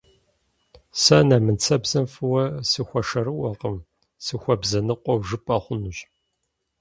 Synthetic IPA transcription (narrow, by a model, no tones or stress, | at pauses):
sɐnaːmɨnt͡sʰɐbz̥ɐmfɨwɐsɨxʷɐʂɐɾɨwɐqəm | sɨxʷɔbzɐnɨqʷɔwʒɨpʼɐχʷʊnuɕʼ